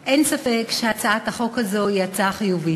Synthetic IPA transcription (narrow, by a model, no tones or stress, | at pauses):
ʔensafe̞kʃeat͡saataχo̞khazo̞jat͡saχijuvi